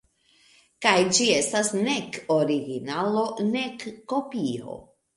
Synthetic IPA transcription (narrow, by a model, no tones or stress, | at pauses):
kajd͡ʒie̞stasneko̞ɾiɡinalo̞ne̞kːo̞pio̰